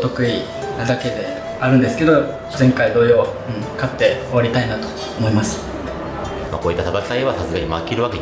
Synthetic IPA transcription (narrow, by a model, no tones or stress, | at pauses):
t̪o̞kɯ̟i | d̪ake̞d̪e̞ | aɾɯ̟̃nd̪e̞sɨ̥ke̞d̪o̞ | zẽ̞ŋkaid̪o̞ːjo̞ː | ɯ̟̃kat̪ːe̞aɾʲit̪ainat̪o̞ːmo̞imasɨ̥ | ma̰ko̞ːit̪ːat̪at̪akaiβat̪asɨɡaɲimaːkʲiɾɯ̟βake